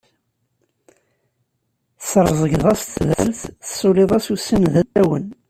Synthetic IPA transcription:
sɾˤzˤəɡðˤæst̪ːðæ̰lθəsoleðˤæsusːənðæt̪ːæwən

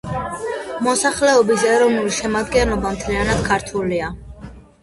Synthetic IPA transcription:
mɔsaχlɛɔbis̬ɛɾɔvnuliʃɛmad̪ɡɛnlɔbamt̪ʰlianad̪̥̚kʰaɾt̪ʰulia

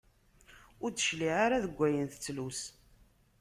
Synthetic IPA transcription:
ʊɾt͡sːəʃliʕaɾaðəɡʷːæjənθə̥t͡sːlus

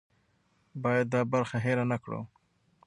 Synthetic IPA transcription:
bɑjad̪̚ːɑbaɾxaɦeɾanakɽo̰

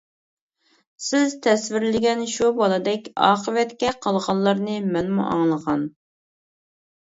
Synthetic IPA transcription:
sɪz̥t̪ʰɛsvɪɾlɪɡʲɛnʃubɑlˠɑd̪ɛkʲɑːqəvɛt̪kʲɛqʰəlˠʁɑllˠːɑɾnɨmɛnmṵʔɑ̰ŋlˠəʁɑn

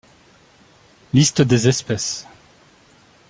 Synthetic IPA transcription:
list̪d̪ezɛspɛs

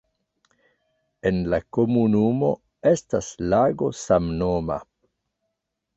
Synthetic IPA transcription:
e̞nlako̞munumo̞̰ | e̞staslaɡo̞samnoma̰

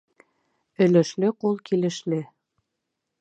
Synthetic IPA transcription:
ɵ̆lɘ̆ʃlɘqulˠkilɘ̆ʃlɘ

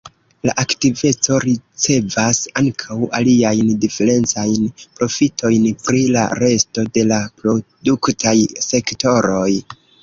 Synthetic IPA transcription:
la̰ʔaktive̞t͡so̞ɾit͡se̞vasaŋkʰawaliajndife̞ɾe̞nt͡sajnpɾo̞fitʰo̞jnpɾila̰ɾe̞sto̞de̞lapɾo̞duktʰajse̞kto̞ɾo̞j

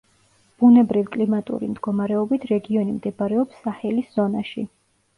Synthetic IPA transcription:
b̥unɛbɾivkʼlimat̪ʼṵɾḭmd̪ɡɔmaɾɛɔbit̪ʰɾɛɡiɔnimd̪ɛbaɾɛɔpsːaχɛlisz̥ɔnaʃḭ

